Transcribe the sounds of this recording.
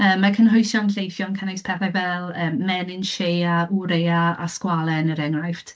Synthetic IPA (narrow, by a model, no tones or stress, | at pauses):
əːmːakʰənɦʊjsɔnɬejθjɔnkʰanejspʰɛθajvɛlˠəːmmɛnɪnʃejauɾejaa̰skwalˠɛnəɾɛŋrajft